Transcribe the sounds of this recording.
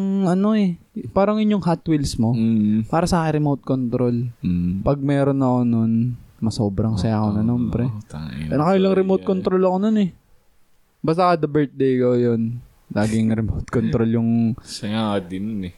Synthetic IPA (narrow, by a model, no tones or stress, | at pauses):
ŋɐno̞ɛ | paːɾɐŋʔɪɲjoŋɦat̪wɪlsmo̞paːɾɐsɐaːkɪnɾɛmowt̪̚kont̪ɾo̞lpɐɡ̚mɛːɾonɐko̞no̞nmɐso̞ːbɾɐŋsɐjaːkonɐnoːmbɾɛt̪ːɛnɐkɐʔɪlɐŋɾɛmowt̪̚kont̪ɾolɐkononɛ | bast̪ɐkɐd̪ɐbɛɹt̪̚d̪ejkowjon | lʔaːɡɪŋɾɛmowt̪̚kont̪ɾo̞ljʊŋsɐjakɐd̪ɪnonɛ